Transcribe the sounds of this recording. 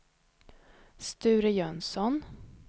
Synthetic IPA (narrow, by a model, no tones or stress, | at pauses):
st̪ʉ̟ːɾəjœnsɔn